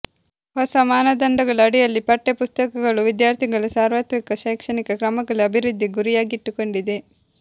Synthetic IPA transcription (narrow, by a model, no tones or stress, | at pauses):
hɔsɐmaːnɐd̪ɐɳɖɐɡɐɭuɐɽijɐlːipɐʈːepust̪ɐkɐɡɐɭuʋid̪jaːɾt̪ʰiɡɐɭusaːɾʋɐt̪mikɐʃɐjkʂɐnikɐkɾɐmɐɡɐɭuɐbʱiɾud̪ʱːiɡuɾijaːɡiiʈːuko̞ɳɖid̪e̞